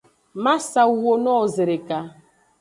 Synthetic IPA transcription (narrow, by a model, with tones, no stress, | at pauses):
ma˦sa˨u˦˨wo˦nɔ˦˨ze˨ɾe˨ka˨